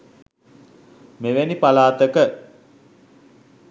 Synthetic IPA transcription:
meʋenipalaːt̪əkə

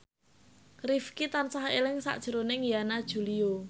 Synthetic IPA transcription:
krifkit̪ansahelɪŋsa̰ʔd̥ʒ̥ə̤ɾonɪŋjanad̥ʒ̥ṳlio

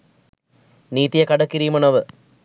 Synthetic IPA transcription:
niːt̪ijɐkɐɖɐkːiɾijmɐnɐʋɨ

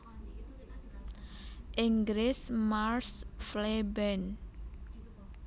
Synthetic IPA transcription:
ʔiŋɡɾɪsmarsflebɛn

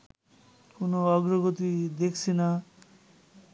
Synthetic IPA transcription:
kunoʌɡɾɔɡot̪id̪ekʰt͡sʰina

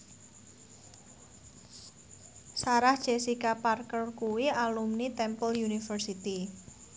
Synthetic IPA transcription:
saɾahd̥ʒ̥esikaparkəlkuwialumnit̪ɛmpɔljunifərsit̪i

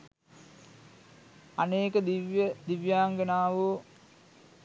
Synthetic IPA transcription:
aneːkəd̪iʋjəd̪iʋjaːŋɡenaːʋu

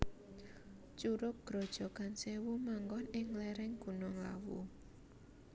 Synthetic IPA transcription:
t͡ʃuɾʊk̚ɡ̥ɾɔ̤d̥ʒ̥ɔ̤kansewumaŋɡɔnɪŋlɛɾɛŋɡ̥unɔŋla̰wṵ

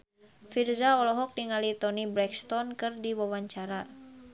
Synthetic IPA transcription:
firzaɔlɔɦɔk̚niŋalit̪ɔnibɾɛkst̪ɔnkɨrdiwawaɲt͡ʃaɾa

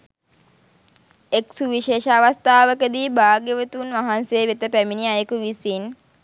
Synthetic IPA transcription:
eksuʋiʃeːʃəːʋast̪aːʋəkəd̪iːbaːɡəʋət̪unʋaɦanseːʋet̪əpæminiajəkuʋisin

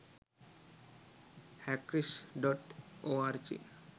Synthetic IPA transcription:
hɛkɾiʃɖɔʈoaɾd͡ʑḭ

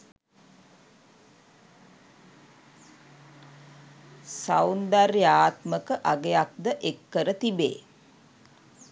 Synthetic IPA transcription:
sawnd̪arjaːt̪məkəʔaɡejak̚d̪əʔekːəɾət̪ibḛː

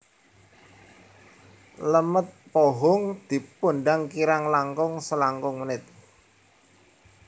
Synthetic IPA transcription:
ləmət̪̚poɦʊŋd̪̥i̤punɖaŋkiɾaŋlaŋkʊŋsəlaŋkʊŋmənɪt̪̚

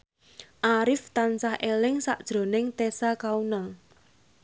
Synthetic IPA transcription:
ʔaɾɪft̪ant͡ʃahʔelɪŋsa̰ʔd̥ʒ̥ɾo̤nɪŋt̪esakaunaŋ

